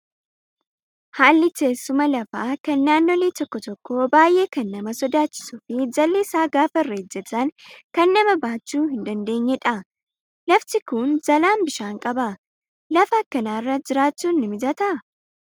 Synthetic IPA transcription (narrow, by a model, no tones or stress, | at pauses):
haːlːɪke̞ːsːʊmɐlɐfaːkɐnːaːnːoːleːt̪ɔkːɔt̪ɔkːoːbaːjʔe̞ːkɐnːɐmɐsɔd̪aːt͡ʃːɪ̥sʊfɪd͡ʒɐlːɪːsaːɡaːfɐrːeːd͡ʒːɛt̪ɐŋkɐnːɐmɐbaːt͡ʃːuːɦɪnd̪ɐnd̪e̞ːɲːɛᶑɐ | lɐfsɪkʊnd͡ʒɐlaːnbɪʃaːŋkʼɐbɐ | lɐfɐkːɐnaːrːɐd͡ʒɪɾaːt͡ʃːuːnːɪmɪd͡ʒɐt̪ɐ